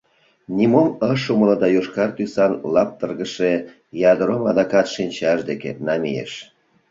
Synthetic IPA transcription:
nʲimoməʃumələd̪ɑjoʃkɑrt̪ysɑnlɑp̚t̪ərɣəʃe | jɑd̪əɾomɑd̪ɑkɑt̪ʃinʲt͡ɕɑʃd̪ekḛnɑmḭjḛʃ

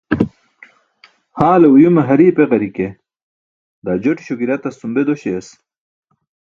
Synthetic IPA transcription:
haːleujumɐɦɐɾiːpeʁɐɾike | d̪aːd͡ʑoʈi̥ɕoɡiɾɐt̪ɐst̪umbed̪oɕeːs

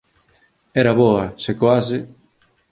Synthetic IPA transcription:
ɛɾɐβoɐsekoasɪ

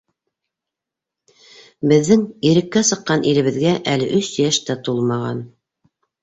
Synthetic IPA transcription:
bɘ̆ðːɘŋiɾɘ̆kːæsɤ̆qːɑnʔiɾɘ̆βɘ̆ðɡæʔælɘʔɵsjæʃt̪æt̪ulˠmɑʁɑ̰n

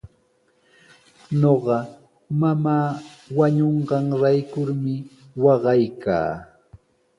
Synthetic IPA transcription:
ɲoɢɑ | mamaːwaɲoɴɢɑŋɾajkʊɾmɪ | wɑɢɑjka̰ː

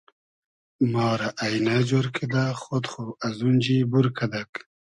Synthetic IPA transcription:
mɑːɾaʔajnad͡ʒoɾkʰid̪axot̪χoazund͡ʑibuɾkʰad̪ak

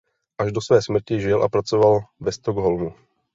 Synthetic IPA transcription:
ʔaʒdo̞svɛːsmr̩cɪʒɪlʔa̰pɾat͡sovalvɛst̪oɡɦolmu

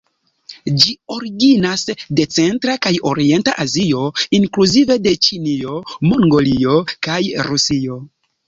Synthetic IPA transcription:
d͡ʒio̞ɾiɡinasde̞t͡se̞ntɾakajo̞̰ɾie̞ntaʔazijo̞iŋkluzive̞de̞t͡ʃinio̞mo̞ŋɡo̞lio̞kajɾusio̞

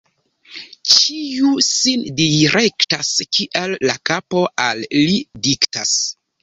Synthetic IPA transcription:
t͡ʃiusindiɾektaskʰiʔelːakapo̞ʔalːidiktas

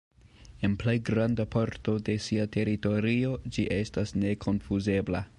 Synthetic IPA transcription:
e̞nple̞jɡɾandapʰoɾto̞de̞siatʰe̞ɾito̞ɾio̞d͡ʒiʔe̞stasne̞kʰo̞nfuze̞bla

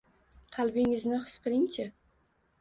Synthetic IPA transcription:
qʰalbiŋɪznɨχə̥sqəɾint͡ʃʰɪ

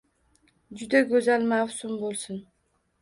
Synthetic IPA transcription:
d͡ʒʊd̪aɡʲɵzalmawsʊmbolˠsʊn

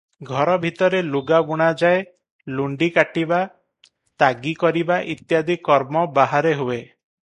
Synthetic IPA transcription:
ɡʱɔɾɔbʱit̪ɔɾeluɡabuɽ̃ad͡ʒae | luɳɖikaʈiba | t̪aɡikɔɾibaʔit̪jad̪ʱikɔɾmɔbaɦaɾeɦue

